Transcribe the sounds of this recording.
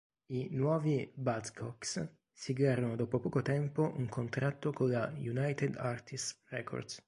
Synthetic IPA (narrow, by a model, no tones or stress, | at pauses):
inwɔːvibat̪skʰɔks | siɡwjaːɾonod̪ɔːpopɔːkot̪ɛmpoʔuŋkʰont̪ɾat̪ːokolajunajt̪ɛd̪art̪ʰisrɛkʰɔ̰rd̪s